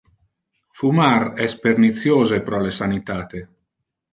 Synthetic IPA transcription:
fumarɛspernit̪sjoːzepɾɔlesanit̪aːt̪e

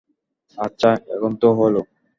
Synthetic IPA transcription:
atːɕʰaɛ̰kʰont̪oɦolo

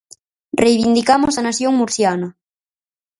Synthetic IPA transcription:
rʔejβind̪ikamʊsanaθjoŋmuɾθjanɐ

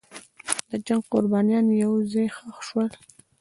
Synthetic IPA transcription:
d̪əd͡ʒaŋɡ̚qʊɾbɑnijɑnjawzɑjxəxʃwəl

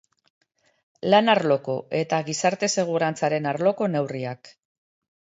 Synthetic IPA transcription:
lanaɾlo̞ko̞ʔe̞t̪aɣisaɾt̪e̞se̞ɣ̞uɾant͡saɾe̞naɾlo̞ko̞ne̞wriak

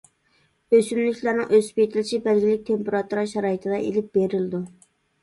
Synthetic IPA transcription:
øsymlykʲlæɾnɨŋʔøspet̪ʰɪlɪʃibælɡʲilɪk̚ʲt̪ʰempeɾɑt̪uɾɑʃɑɾɑːjit̪ʰɨd̪ɑʔelɪp̚beɾɪlɪd̪u

